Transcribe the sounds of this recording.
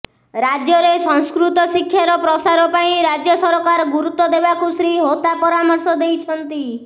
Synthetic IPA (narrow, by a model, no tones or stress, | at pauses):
ɾad͡ʒjɔɾesɔŋskɾut̪ɔsikʰːjaɾɔpɾɔsaɾɔpaĩɾad͡ʒjɔsɔɾɔkaɾɡuɾut̪ːɔd̪ebakusɾiɦot̪apɔɾamɔɾsɔd̪ejt͡ʃʰɔnt̪i